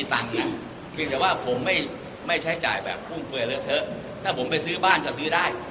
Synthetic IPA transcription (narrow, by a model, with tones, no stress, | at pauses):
t̪a˧ŋna˦˥ʔ | pʰi˧ŋt̪̬ɛː˨˩waː˥˩pʰo˩˦mːa˥˩j | ma˥˩jt͡ɕʰa˦˥jt͡ɕa̰ː˨˩jbɛ̰ː˨˩p̚ʰːu˥˩ŋkʰɯ˧ɾɯ˥˩t̪ʰɤ˦˥ʔ | t̪ʰaː˥˩pʰo˩˦mpa˧˩jsɯː˦˥baː˥˩nkɔː˥˩sɯː˦˥daː˥˩j